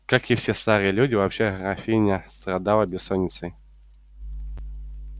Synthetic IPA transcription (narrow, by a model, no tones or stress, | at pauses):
kakifsʲest̪aɾɨjəlʲudʲɪvapɕeɣɾafʲijnʲəst̪ɾad̪aləbʲɪsɔnʲːɪt̪sɨj